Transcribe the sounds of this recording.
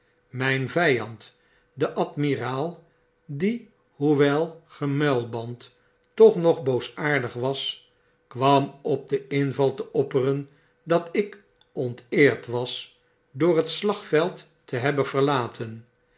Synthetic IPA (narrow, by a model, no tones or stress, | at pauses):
mɛjnvɛjɑnt | dəʔɑtmiraːlˠ | di | ɦuʋɛlˠχəmɛlˠbɑnt | tɔχnɔχbowsaːɹdəχʋɑs | kʋɑmɔb̚dəɪnvɑlˠtəʔɔpərən | dɑtɪk | ɔntɪːɹtʋɑs | dʊːrɦətslɑχfɛlˠtː | əɦɛbənv̥əɹlaːtʰən